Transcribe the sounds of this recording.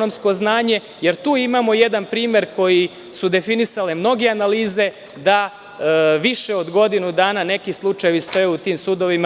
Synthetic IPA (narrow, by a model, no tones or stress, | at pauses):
nomsko̞znaːɲe̞ | je̞ɾt̪uːimaːmo̞jed̪anpɾiːmje̞ɾko̞ji | sud̪e̞finisalemno̞ɡeanaliːze̞ | d̪a | ʋiʃeo̞d̪ɡo̞d̪inud̪aːnane̞kislˠut͡ʃajeʋist̪o̞jeut̪iːmsuːd̪o̞ʋima